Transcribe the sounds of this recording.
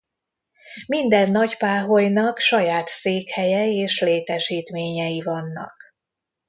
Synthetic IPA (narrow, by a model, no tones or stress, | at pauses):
mind̪ɛnːɒcpaːɦojnɒkʃɒjaːt̪seːkhɛjɛeːʃleːt̪ɛʃiːt̪meːɲɛjivɒnːɒ̰k